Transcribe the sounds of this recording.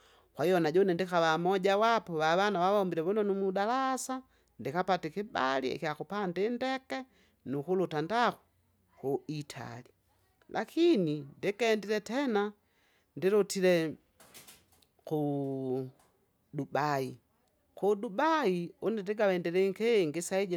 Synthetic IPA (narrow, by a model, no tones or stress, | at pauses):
kwaijɔnaɟɔnɛndikaβamɔɟawapɔβaβanawaβaɔmbiɾɛβɔnɔnumudalasa | ndikapatikibalḭɛ̰kiakupandindɛkɛ | nukulutandaku̥ | kuitʰa̰li | lʔakʰinindikɛndiɾɛtɛna | ndiɾutiɾɛ | ku | dubai | kudubaiunidiɡawɛndiɾiŋkeŋɡisaiɟ